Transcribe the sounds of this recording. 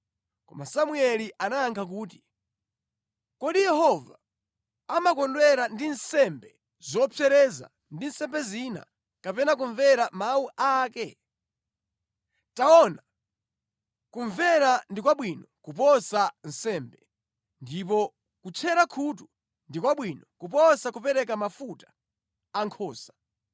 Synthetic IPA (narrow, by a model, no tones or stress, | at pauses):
kɔmasamuɛliʔanaːŋkʰak̬uːt̬i̥ | kɔɗijɛɦɔva | amakɔndwɛɾandinsɛmbɛ | zɔpʰɛɾɛza̰ | ndinsɛmbɛzina̰ | kapɛnak̬uɱvɛɾamauʔaːkɛ | taɔna | kuɱvɛɾandikwaɓwinɔkupɔsan̩sɛːmbɛ | ndip̬ɔ | kut͡ʃʰɛɾakʰutu | ndikwaɓwinɔkupɔsakupɛɾɛk̬amafutḁ | aŋkʰɔːsḁ